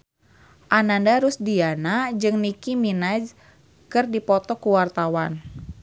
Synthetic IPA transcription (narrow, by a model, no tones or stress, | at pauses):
ʔanandaɾusdianad͡ʒɨŋnikiminad͡ʒ | kɨrdipɔt̪ɔkuwart̪awan